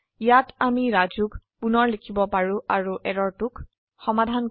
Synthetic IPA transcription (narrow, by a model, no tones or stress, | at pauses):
ijatamiɹazuk | punɔɹlekʰibɔpaɹʊ̃ʔaɹuʔɛɹɔɹtʊk | xɔmadʱan